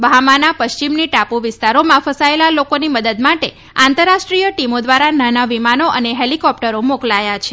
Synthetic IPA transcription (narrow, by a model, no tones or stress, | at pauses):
bʱamanapəʃt͡ʃimniʈapuʋɪst̪aɾomãfəsaelalokoniməd̪əd̪maʈe | ãnt̪əɾːaʃʈɾijəʈimod̪ʋaɾananaʋimanoʔəneɦelikɔp̚ʈəɾomoklajat͡ʃʰe̥